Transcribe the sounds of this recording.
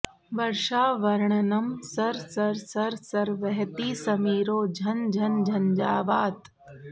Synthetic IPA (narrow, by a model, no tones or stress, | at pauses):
ʋɐɾʃaːʋɐɾɳɐnɐmsɐɾsɐɾsɐɾsɐɾʋɐɦt̪iːsɐmiːɾoːd͡ʒʱɐnd͡ʒʱɐnd͡ʒʱɐnd͡ʒaːʋaːt̪